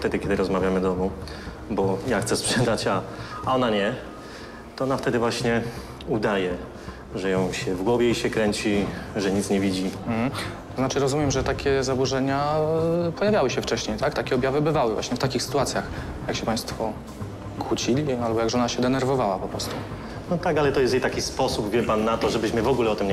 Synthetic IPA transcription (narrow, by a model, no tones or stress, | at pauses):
ft̪ɛd̪ɘkʲɛd̪ɘɾɔzmavʲjamɘd̪ɔmu | bɔjaxt̪sɛspʂɛd̪at͡ɕaɔnaɲɛ | t̪ɔɔnaft̪ɛd̪ɘvwaɕɲɛ | ud̪ajɛ | ʐɛjɔ̃w̃ɕɛvɡwɔvʲjɛiɕɛkɾɛɲt͡ɕiʐɛɲit̪sɲɛvʲid͡ʑim̩hm̩t̪ɔznat͡ʂɘɾɔzumʲjɛmʐɛt̪akʲɛzabuʐɛɲa | pɔjavjawɘɕɛft͡ʂɛɕɲejt̪akt̪akʲɛɔbʲjavɘbɘvawɘvwa̰ɕɲɛft̪akʲixsɘ̥t̪uat̪sʲjax | jakɕɛpaj̃st̪fɔ | kwut͡ɕilʲialbɔjaɡʐɛɔnaɕɛd̪ɛnɛɾvɔvawapɔpɾɔst̪u | nɔt̪akalɛt̪ɔjɛst̪jejt̪akʲispɔsubvʲjɘpanːat̪ɔʐɛbɘɕmɘvɔɡulɛɔt̪ɘmɲ